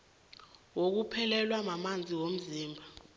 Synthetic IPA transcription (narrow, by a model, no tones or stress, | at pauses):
wok̬upʰɛlɛlwamamand͡zʱiwom̩ziːmbʱa